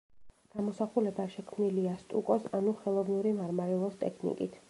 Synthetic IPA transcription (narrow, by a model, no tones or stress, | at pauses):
ɡ̥amɔsaχulɛbaʃɛkʰmniliast̪ʼṵkʼɔsanuχɛlˠɔvnuɾimaɾmaɾɛlˠɔst̪ʼɛ̰kʰnḭkʼḭt̪ʰ